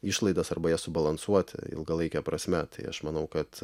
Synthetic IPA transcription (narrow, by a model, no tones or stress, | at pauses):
iːʃlˠɐɪd̪ɐsɐrbɐjɛsʊbɐlˠɐnsuɔt̪ʲɪ̰ɪ̰lˠɡɐlˠɐɪkʲɛpɾɐsʲmʲɛt̪ɐɪɐ̰ʃmɐnɐʊkɐt̪